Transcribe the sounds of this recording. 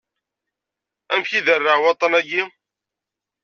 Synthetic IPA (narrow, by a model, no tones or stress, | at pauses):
æmçiðərːəʁwɑt̪ˤːɑnæɡi